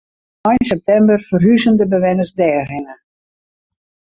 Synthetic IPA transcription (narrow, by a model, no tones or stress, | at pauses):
ɔjnsɛp̚tɛmbərfərɦyzəndəbəʋɛnəsdɛːrhɪnə